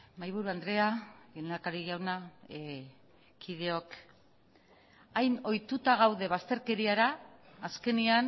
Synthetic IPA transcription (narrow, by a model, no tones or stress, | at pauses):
majβ̞uɾuand̪ɾe̞aenakaɾiɣawna | kið̞e̞o̞k | ajno̞jt̪ut̪aɣ̞awð̞e̞β̞ast̪e̞ɾke̞ɾiaɾaːske̞nian